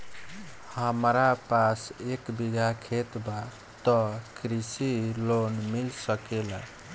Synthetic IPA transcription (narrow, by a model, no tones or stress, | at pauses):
həmɾapasekbiɡʱakʰet̪ba | t̪ɔkɾisilonmilsəkela